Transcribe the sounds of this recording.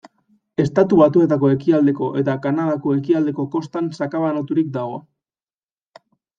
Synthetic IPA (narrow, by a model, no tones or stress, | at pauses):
e̞st̪at̪uβat̪ue̞t̪ako̞e̞kiald̪e̞ko̞ʔe̞t̪akanað̞ako̞e̞kiald̪e̞ko̞ko̞st̪ansakaβanot̪uɾik̚d̪aɣo̞